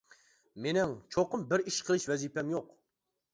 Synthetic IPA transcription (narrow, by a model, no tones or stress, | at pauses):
menɪŋt͡ʃʰoqəmbɪɾiʃqʰəlˠɨʃvɛzipɛmjoq